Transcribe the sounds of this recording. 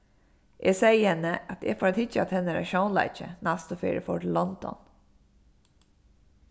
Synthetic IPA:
ʔesɛjəhɛnːəat̪efɔːɾɛt̪hɪt͡ʃat̪hɛnːəɾa̰ʃownla̰ɪt͡ʃə̰nast̪ɔfḭːɹə̰fɔɹlɔnd̪ɔ̰n

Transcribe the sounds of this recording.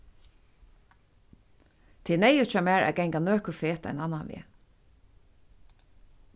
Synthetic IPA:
t̪ʰɛːnɛjʊt͡ʃamæːɹʔæ̰ɡɛŋkanøːkʏɹfeːt̪a̰ɪnanːanʋɪ̰ː

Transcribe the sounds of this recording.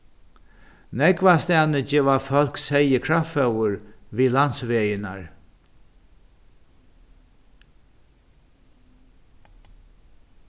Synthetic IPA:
nɛkvast̪aːnəd͡ʒɛːʋafɔl̥ksɛjəkʰɹafœwʊɹviːlansʋeːjɪna̰ɹ

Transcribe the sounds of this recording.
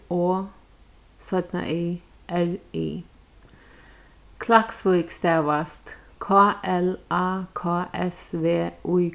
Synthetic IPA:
oː | sœd̪nɑ̰ʔiː | ʔæɹḭː | kʰlɑksʋɔːkst̪eːʋɑst̪kʰɑːʔɛlɑːkʰɑːʔɛsʋeːʔʉː

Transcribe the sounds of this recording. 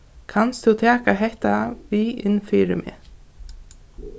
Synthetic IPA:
kʰanst̪θut̪ʰɛːkaɦɛht̪aviɪnːfiːɾɪmʔɪ̰

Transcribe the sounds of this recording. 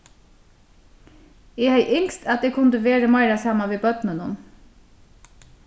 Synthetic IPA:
eːhæɪʔɪŋst̪ɑt̪̚eːkʰʊnd̪əʋeːɾəmɑɪɾɑsɑmɑʋeːbœt̪nənʊn

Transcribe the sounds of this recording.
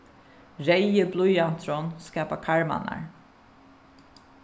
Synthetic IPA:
ɾɛjəblujan̥t̪ʰɾɔnskaːpakʰaɹma̰na̰ɹ

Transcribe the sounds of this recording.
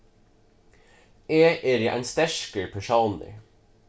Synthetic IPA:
eːʔeːɾiːʔæ̰ɪnst̪æʃkəɹpʰæʃɑːnə̰ɹ

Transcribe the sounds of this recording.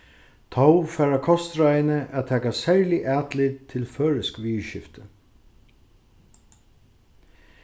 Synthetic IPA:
t̪ʰɔwfæːɾakʰɔst̪ɾajɪnəʔæt̪ʰɛːkasɛɹlɪʔæːt̪lɪd̪t̪ʰɪlfœːɹɪskʋiːʃɪft̪ə

